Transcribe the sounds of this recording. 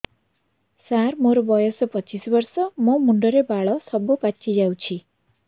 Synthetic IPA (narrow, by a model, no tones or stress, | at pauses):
saɾmoɾobɔjɔspʌt͡ʃisbɔɾsɔmɔmuɳɖɔɾebaɭɔsɔbupatt͡ʃʰid͡ʒawt͡ʃʰi